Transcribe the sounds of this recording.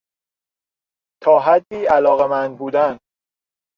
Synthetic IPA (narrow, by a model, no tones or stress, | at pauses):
t̪ʰɒːɦæd̪ːiːælɒːɣemænd̪̚buːd̪æn